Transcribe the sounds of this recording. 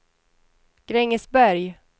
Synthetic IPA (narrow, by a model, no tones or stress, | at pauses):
ɡ̥ɾɛŋːəsbæɾj